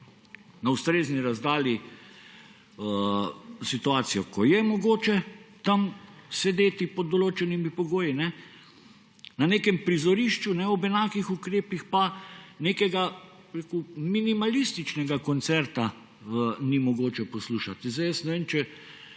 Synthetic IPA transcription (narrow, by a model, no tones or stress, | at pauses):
naust̪ɾeːzniɾazd̪aːli | ə | sit̪uaːt̪sijɔkɔjɛmɔɡoːt͡ʃɛt̪amsɛd̪eːt̪ipɔd̪ɔloːt͡ʃɛnimipɔɡoːjinɛ | nanekɛmpɾizɔɾiʃt͡ʃunɛɔbɛnaːkixukɾeːpixpanekɛɡa | bɾeːkuminimalist̪it͡ʃnɛɡakɔnt̪sɛɾt̪a | nimɔɡoːt͡ʃɛpɔsluːʃat̪izd̪ajɛst̪nɛʋeːmt͡ʃɛ